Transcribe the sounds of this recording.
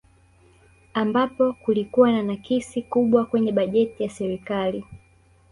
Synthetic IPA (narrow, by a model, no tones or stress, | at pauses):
ambapɔkulikuwananakisikuɓwakwɛɲɛɓaʄɛtijasɛɾikali